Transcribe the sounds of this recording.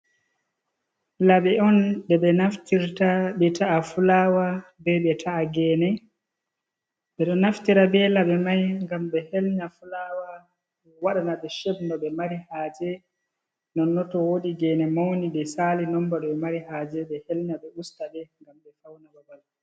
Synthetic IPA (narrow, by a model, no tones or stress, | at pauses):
laɓɛɔnɗɛɓɛnaftiɾtaɓɛtaʔːfulawabɛɓɛtʰaːɡɛːnɛ | ɓɛɗɔnaftiɾabɛlaɓɛmajŋɡambɛhelɲafulawa | waɗanabɛʃebndɔɓɛmaɾihaːd͡ʒɛ | nɔnːɔtɔwoɗiɡɛːnɛmawniɗɛsalinɔmbaɗɔɛmaɾihaːd͡ʒɛɓɛhelɲaɓɛustabɛŋɡambɛfawnababal